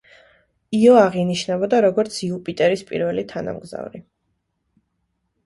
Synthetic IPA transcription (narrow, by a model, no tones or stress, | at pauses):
iɔaʁiniʃnɛbɔd̪aɾɔɡɔɾt̪sʰiupʼit̪ʼɛɾispʼḭɾvɛlit̪ʰana̰mɡza̰vɾi